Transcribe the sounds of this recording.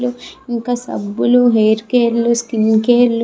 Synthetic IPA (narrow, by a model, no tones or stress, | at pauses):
luiŋkasɐ̰bːuluɦejɾkeːɾluskinkeːɾlu